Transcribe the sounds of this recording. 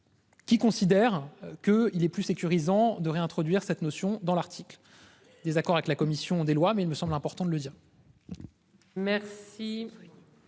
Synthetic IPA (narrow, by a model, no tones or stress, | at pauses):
kʲikɔ̃sid̪ɛʁkəilɛplysekʲyʁizɑ̃d̪əʁeɛ̃t̪χɔd̪ɥiʁsɛt̪nosjɔ̃d̪ɑ̃laʁt̪ʰikl | d̪ezakɔʁavɛklakɔmisjɔ̃d̪elwamɛilməsɑ̃blɛ̃pɔʁt̪ɑ̃d̪ələd̪iːʁ | mɛʁsi